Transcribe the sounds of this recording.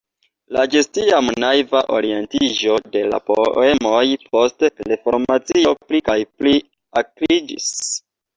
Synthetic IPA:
lad͡ʒe̞stiamnajvaʔo̰ɾie̞ntid͡ʒo̞de̞la̰po̰e̞mo̞jpo̞stlefo̞ɾmat͡sio̞plikajpli | aklid͡ʒḭs

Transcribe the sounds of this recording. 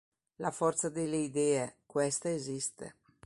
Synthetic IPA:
lafɔrt̪sad̪eleid̪ɛːekwɛst̪aezist̪ḛ

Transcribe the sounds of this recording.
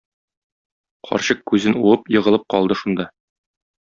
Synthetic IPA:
qʰɒ̰ɾɕɤqkʉzɘnuɤpjɤ̆ʁɤ̆lˠɤp̚qɒlˠd̪ɤʃund̪ɑ

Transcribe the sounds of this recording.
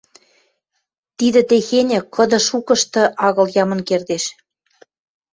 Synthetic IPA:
t̪id̪ĕt̪exenʲĕkɤ̆d̪ɤ̆ʃukɤ̆ʃt̪ɤ̆ʔɑɣɤ̆ljɑmɤ̆nkerd̪eʃ

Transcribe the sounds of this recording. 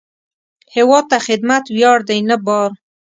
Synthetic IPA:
hɪwɑd̪̚t̪ːaxɪd̪mat̪wjɑɽd̪ajnəbɑɾ

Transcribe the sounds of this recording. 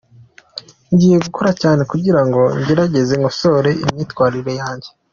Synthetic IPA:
ɲɟiːje̞ɡuko̞ɾacaːne̞kuɟiɾaŋɡo̞ɲɟe̞ɾaɟe̞ze̞ŋɡoso̞ɾe̞imɲiːtwaːɾiɾe̞jaːɲɟe̞

